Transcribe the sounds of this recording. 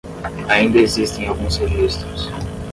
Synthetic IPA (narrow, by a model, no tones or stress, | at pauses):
aĩnd̪ɐezist̪ẽj̃awɡũshevist̪ɾʊs